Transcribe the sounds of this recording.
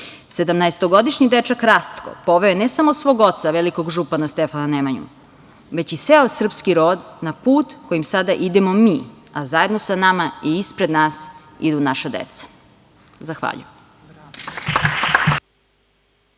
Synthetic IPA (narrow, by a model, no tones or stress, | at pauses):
se̞d̪amnaest̪oɡo̞d̪iʃɲid̪et͡ʃakɾast̪ko̰po̞ʋe̞onesamosʋo̞ːɡo̞t̪saʋeliko̞ɡʒupanast̪efananemaɲṵ | ʋe̞t͡ɕiseosr̩pskiɾo̞ːd̪napuːt̪kojimsad̪aʔid̪emomiː | azaje̞d̪nosanamaiːspɾed̪naːs | ḭd̪unaʃad̪ḛt̪sḁ | zaxʋa̰ːʎṵjem